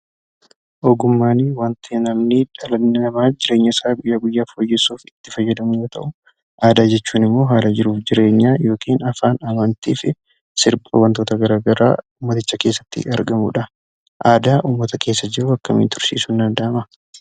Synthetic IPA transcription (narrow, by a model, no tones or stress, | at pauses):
ʔɔɡʊmːaːniwɐnt̪ʰeːnɐmniᶑɐlɐnɪnɐmaːd͡ʒɪɾe̞ːɲːɐɪsaːɡʊjːaːɡʊjːaːfoːjːɛsːuːfɪt̪ːɪfɐjːɐd̪ɐmɪjoːt̪ɐ̰ʔʊ | ʔaːd̪aːd͡ʒɛt͡ʃːuːnɪmːo̞ːɦaːlɐd͡ʒɪɾuːfd͡ʒɪɾe̞ːɲːaːjo̞ːkiːnɐfaːnɐmɐnt̪iːfɪ | sɪɾpʼɔ̰wɐnt̪oːt̪ɐɡɐɾaːɡɐɾa̰ːuːmːɐt̪ɪt͡ʃːɐkeːsːɐ̥t̪ːɪ̰ɐɾɡɐmṵᶑɐ | ʔaːd̪aːʔuːmːɐt̪ɐke̞ːsːɐd͡ʒɪɾuɐkːɐ̰mḭnt̪ʊɾsḭːsund̪ɐnd̪aːmɐ